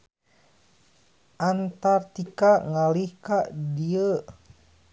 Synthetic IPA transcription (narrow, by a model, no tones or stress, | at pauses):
ʔant̪art̪ikaʔŋalihkaʔdiə